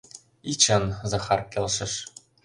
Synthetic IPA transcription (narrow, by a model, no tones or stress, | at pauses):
it͡ɕɤnzɑxɑrkʲelʃɘ̆ʃ